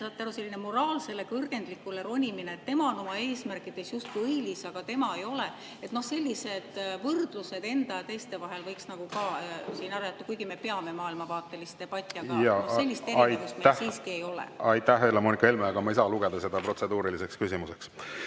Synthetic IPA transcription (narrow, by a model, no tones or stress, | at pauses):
sɑːt̪eæɾuse̞lʲːinemo̞ɾɑːlse̞lːe̞kɤrɡ̥e̞nd̪likːˑule̞ɾo̞nʲimineːt̪ːe̞mɑono̞mɑe̞ːsmærkˑid̪̥e̞sjust̪̚kujɯjlisɑɡ̥ɑt̪e̞mɑe̞jo̞le | e̞t̪no̞hse̞lʲːise̞d̪̥vɤrd̪̥luse̞d̪e̞nd̪̥ɑjɑt̪e̞jst̪e̞vɑɦe̞lvɤjksnɑɡ̥ukɑsiːnɑɾɑjɑt̪ːˑukujɡ̥ime̞pe̞ɑme̞mɑːilmɑvɑːt̪ːˑe̞list̪e̞b̥ɑt̪ʲˑːiɑ̥ɑjɑse̞lʲːist̪ejkust̪meæsiːskie̞jo̞lḛɑjt̪ːæhelemonikɑelmeɑɡɑmɑijsɑluɡ̥ed̪ɑse̞d̪̥ɑpro̞t̪se̞d̪uːɾilise̞kskysimuseks